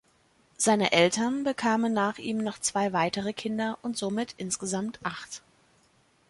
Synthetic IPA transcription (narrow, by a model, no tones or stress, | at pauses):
z̥aɪnə̰ʔɛltɐnbəkʰaːmənːaːχʔiːmnɔχt͡sv̥aɪvaɪtəʁ̞əkʰɪndɐʔʊntz̥oːmɪtʔɪnsɡ̥əzamtʔaχt